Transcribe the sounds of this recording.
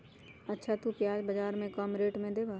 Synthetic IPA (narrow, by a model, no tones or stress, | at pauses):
ɐtːʃʰat̪upjaːd͡ʒbɐd͡ʒaːɾmẽkɔːmɾeːʈmẽd̪eːbʱaː